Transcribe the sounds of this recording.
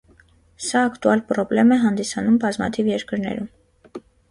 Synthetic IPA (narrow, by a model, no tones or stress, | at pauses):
sɑːkt̪uɑlpɾɔblɛmɛɦɑnd̪isɑnumbɑzmɑ̰t̪ʰivjɛɾkəɾnɛ̰ɾum